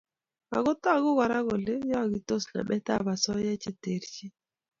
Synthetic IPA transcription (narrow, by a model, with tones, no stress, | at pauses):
a̰˨ɣʊ˦tɔ˦a˨ɣʊ˦wa˨ɾa˦ɣɔ˨lɪ˦jɔ˦a˨ɡɪ˨to˦sna̰˨ɓɛ˦ta˦˨ba˨sɔ˦jɛ˦t͡ʃɪ˦te˨ɾt͡ʃɪ˦